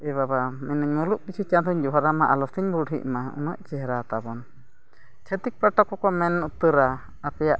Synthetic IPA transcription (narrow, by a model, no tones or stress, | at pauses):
ɛβabamɛnəɲmɔluʔpit͡ʃʰit͡ʃant̪ɔɲd͡ʒɔɦaɾamaʔalɔsiɲbuɽḭʔmaṵnəʔt͡ʃɛɦɾat̪abɔn | t͡ʃʰət̪ik̚paʈɔkɔkɔmɛnut̪əɾaː | pɛjaʔ